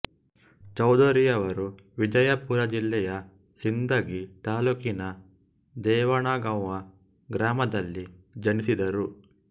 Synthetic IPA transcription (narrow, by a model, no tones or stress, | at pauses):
t͡ʃɐwd̪oɾijɐʋɐɾu | ʋid͡ʒɐjɐpuɾɐd͡ʒilːɛjɐ | sind̪ɐɡit̪aːlukinɐ | d̪ɛːʋɐɳaːɡɐwʋɐ | ɡɾaːmɐd̪ɐlːid͡ʒɐnisid̪ɐɾu